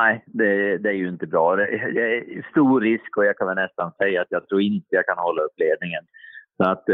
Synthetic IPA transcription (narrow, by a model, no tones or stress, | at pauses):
nɛɪd̪ɛd̪ɛæɾjɵɪnt̪əbɾɑːd̪ɛd̪ɛæst̪uːɾɪskɔjɑːɡkʰanvɛlnɛst̪ansɛjːaat̪jɑːɡ̚t̪ʰɾuːɾɪnt̪əjɑːɡ̚kʰanhɔlːaɵpːleːvnɪŋənsɔat̪ː